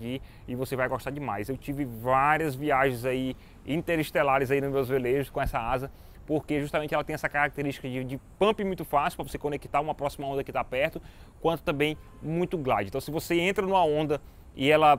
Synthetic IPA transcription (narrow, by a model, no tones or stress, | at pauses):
i | ɪvosevajɡɔʃt̪ad͡ʒɪma̰jzewt͡ʃivɪvaɾiɐzviaʒẽzai | ĩt̪eɾiʃt̪elaɾɪzainʊmewzveleʒʊskõɛsɐazɐ | poɾkeʒuʃt̪ɐmẽt͡ʃɪɛlɐt̪ẽj̃ɛsɐkaɾak̚t̪eɾiʃt͡ʃi̥kɐd͡ʒɪd͡ʒɪpɐ̃mpimũj̃t̪ʊfasiupɾɐvosekõnekit̪aɾũmɐpɾɔsimɐõnd̪ɐkɪt̪apɛɾt̪ʊ | kwɐ̃nt̪ʊt̪ɐ̃mbẽj̃ | mũj̃t̪ʊɡlad͡ʒɪ̃t̪ɐ̃w̃sɪvoseẽnt̪ɾɐnũmɐõnd̪ɐ | ɪɛlɐ